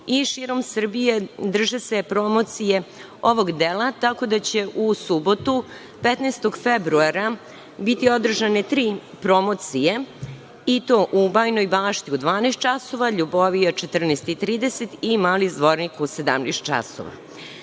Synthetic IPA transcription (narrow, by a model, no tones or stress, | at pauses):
iʃiːɾo̞msr̩bije̞d̪r̩ʒese̞pɾo̞mo̞t̪sije̞ | o̞ʋo̞ɡd̪elˠat̪ako̞d̪at͡ɕe̞ʔusubo̞t̪u | pet̪nest̪o̞ɡfebɾuaɾa | bit̪io̞d̪r̩ʒanet̪ɾiː | pɾo̞mo̞t̪sije | it̪oʔubaːjno̞jbaːʃt̪iud̪ʋaːnest̪t͡ʃaso̞ʋaʎuboʋijot͡ʃet̪r̩neːst̪it̪ɾiːd̪eset̪imaːlizd̪ʋoɾnikused̪a̰mnḛst̪̚t͡ʃa̰so̰ʋa̰